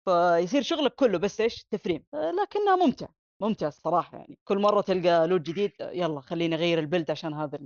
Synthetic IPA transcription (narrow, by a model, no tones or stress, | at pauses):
fajs̬iːɾʃʊɣlakːʊlːʊbasːʔeːʃt̪ːafɾiːmlaːkɪnːhamʊmt̪ɪ̰ʕa | mʊmt̪ɪʕasˤːɑɾˤɑːħɑja̰ʕnikʊlːmɑrˤːɑt̪ɪlɡaluːd̪̚d͡ʒɪd̪iːd̪jalˤːɑxalːiːnʔɣajːɪɾɪlbɪld̪ʕaʃaːnɦaːða